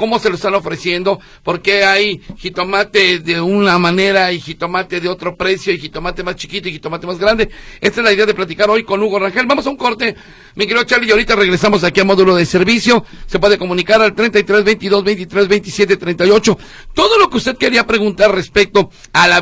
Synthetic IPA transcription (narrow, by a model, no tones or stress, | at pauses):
ko̞mo̞se̞loest̪ano̞fɾe̞sje̞nd̪o̞ | po̞ɾke̞ajxit̪o̞mat̪eðe̞unamane̞ɾaixit̪o̞mat̪e̞ðeo̞t̪ɾo̞pɾe̞sjoixit̪o̞mat̪e̞mast͡ʃi̥kit̪o̞ixit̪o̞mat̪e̞mazɣɾand̪e̞e̞st̪ae̞zlaiðe̞aðe̞plat̪̬ikaɾo̞jko̞nuɣo̞raŋxelbamo̞sauŋko̞ɾt̪e̞ | mikeɾiðot͡ʃaɾlijaoɾit̪are̞ɣɾe̞samo̞s̬akialmo̞ðulo̞ðese̞ɾβisjo̞se̞p̬we̞ðe̞ko̞mũnikaɾalt̪ɾent̪ajt̪ɾe̞zβe̞jnt̪iðo̞zβe̞jnt̪it̪ɾe̞zβe̞jnt̪isje̞t̪e̞t̪ɾejnt̪ajo̞t͡ʃo̞ | t̪o̞ðo̞lo̞keust̪e̞ðke̞ɾiapɾe̞ɣunt̪aɾre̞spe̞k̚t̪o̞ | ala